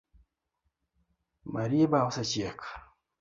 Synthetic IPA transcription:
maɾiebawusat͡ʃijakḁ

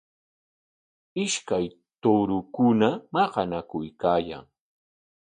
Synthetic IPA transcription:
ɪʃkaj | t̪oɾʊkʊnamɑqɑnakʊjkaːja̰ŋ

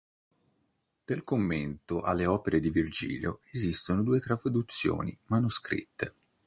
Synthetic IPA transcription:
d̪̥elkomːent̪oʔa̰lːeɔːpeɾed̪ivird͡ʒḭːljoezist̪onod̪uːet̪ɾapɾod̪ut̪sːjo̰ːnḭmanuskɾḭt̪ːe

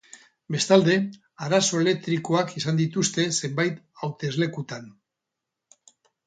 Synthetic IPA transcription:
be̞st̪ald̪e̞ | aɾaso̞e̞le̞k̚t̪ɾiko̞akisand̪it̪ust̪e̞se̞mbajt̪ | awt̪e̞zle̞kut̪an

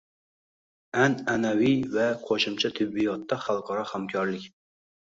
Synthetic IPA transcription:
ænænæwijvɛqʰoʃɪmt͡ʃʰɛt̪ʰɪbːijɑt̪ːɑχɑlˠqʰɑɾɑhæmkʲʰɒɾlɪkʲ

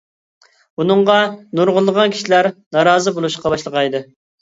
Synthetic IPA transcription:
unɨŋʁɑnuɾʁʊlˠːəʁɑnkʲʰi̥ʃilæɾnɑɾɑːzɨbolˠuʃqɑbɑʃlˠəʁɑjd̪ɨ

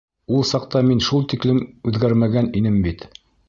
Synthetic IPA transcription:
ulˠsɑq̚t̪ɑminʃulˠt̪iklɘmʉðɡæɾmæɡæninɘmbit̪

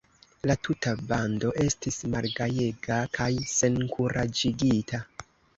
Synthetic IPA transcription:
latʰutabando̞ʔe̞stismalɡaje̞ɡakʰajse̞nkʰuɾad͡ʒiɡitʰa

